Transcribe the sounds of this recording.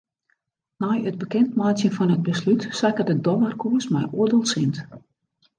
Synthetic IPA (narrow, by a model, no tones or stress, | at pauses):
nɔjət̚bəkɛntmaːsjənfɔnəd̚bəslytsakərdədɔʋərkʰuəsmɛjʔoədəlˠsɪnt